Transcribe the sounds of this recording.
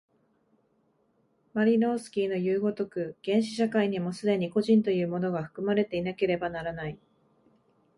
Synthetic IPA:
maɾʲino̞ːsɨ̥kʲiːno̞jɯ̟ːɡo̞t̪o̞kɯ̟ɡ̥ẽ̞ɰ̃ɕi̥ɕakaiɲ̟imo̞sɨd̪e̞ɲ̟iko̞ʑĩnt̪o̞jɯ̟ːmo̞no̞ɡaɸɯ̥kɯ̟maɾe̞t̪e̞inake̞ɾe̞banaɾanai

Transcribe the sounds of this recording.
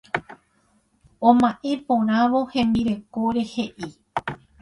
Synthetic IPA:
õmãʔe̞põɾ̃ãʋo̞hẽ̞mbiɾe̞koɾe̞he̞ʔi

